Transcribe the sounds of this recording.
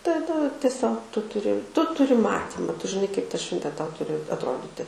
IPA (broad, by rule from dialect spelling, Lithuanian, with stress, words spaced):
tɐˈdɐ tʲiɛˈsʲoːk ˈtʊ tʊˈrʲɪ ˈtʊ tʊˈrʲɪ ˈmɑːtʲiːmɐ ˈtʊ ʒʲɪˈnɐɪ kɐɪp tɐ ˈʃʲʋʲɛnʲtʲeː ˈtɐʊ ˈtʊrʲɪ ɐtˈroːdʲɪtʲɪ